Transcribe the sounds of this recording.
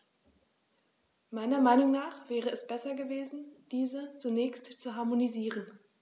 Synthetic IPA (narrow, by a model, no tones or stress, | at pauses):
maɪnɐmaɪnʊŋnaːχv̥ɛːʁ̞əɛsb̥ɛsɐɡəveːzn̩d̥iːzət͡sunɛːçstt͡suɦaɐmoniziːʁən